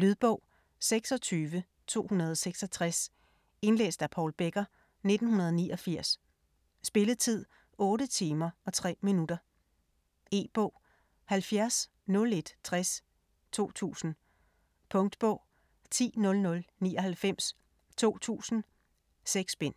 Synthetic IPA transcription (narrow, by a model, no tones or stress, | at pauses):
lyðˠb̥ɔ̽ʊ̰ | seɡ̥sɒ̽t͡sʰyːʋə | t͡sʰo̝̰ːhunɐð̞ˠɒ̽seɡ̥sɒt͡sʰʁas | e̝nlḛːsd̥æpʰɒlb̥eɡ̥ɐ | ne̝d̥n̩hunɐð̞ˠɒniːʔɒ̽fiɐ̰s | sb̥e̝ləð̩ˠt͡sʰið̞̰ˠ | ɔ̽ːɾət͡sʰiːmɐɒ̽t͡sʰʁɛ̰ːminud̥ɐ | e̝̰ːb̥ɔ̽ʊ̰ | hælfjæɐs | nɔ̽le̝d̥t͡sʰʁas | t͡sʰo̝̰ːt͡sʰṵːsn̩ | pʰɔ̽ŋd̥b̥ɔ̽ʊ̰ | t͡sʰḭːnɔ̽lnɔ̽lnḭːɒ̽hælfem̰s | t͡sʰo̝̰ːt͡sʰṵːsn̩ | seɡ̥sb̥en̰